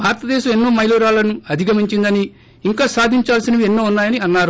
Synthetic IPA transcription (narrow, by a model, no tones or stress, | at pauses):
bʱaːɾɐt̪ɐd̪ɛːʃɐme̞nːoːmɐjluːɾaːlɐnuɐd̪ʱiɡɐmiɲt͡ʃind̪ɐniː | ŋkaːsaːd̪ʱiɲt͡ʃaːlsinɐienːoːunːaːjɐniɐnːaːɾu